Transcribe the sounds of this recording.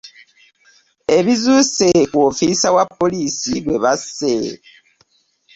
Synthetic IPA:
e̞βizuse̞kwofisawapːo̞liːsiβwe̞βase

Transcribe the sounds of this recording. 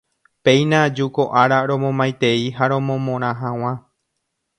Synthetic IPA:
pẽ̞j̃nãd͡ʒuko̞ʔaɾaɾõ̞mõmbajt̪e̞iɦaɾõ̞mõmõɾ̃ãɦãw̃ã

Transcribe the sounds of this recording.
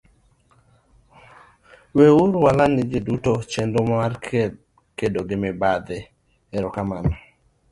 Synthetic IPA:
weuɾwalanɪd͡ʒedutot͡ʃendomaɾk | kedoɡɪmɪbad̪ɪ | ɛɾɔkamanɔ

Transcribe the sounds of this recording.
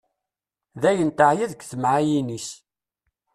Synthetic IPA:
ðæjənt̪əʕjiðkʷθəmʕajinis

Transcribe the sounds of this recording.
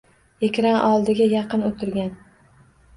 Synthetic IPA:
ekʲɾanʔɒlˠd̪ɪɡʲajɑqɨnot̪ʰɪɾɡʲan

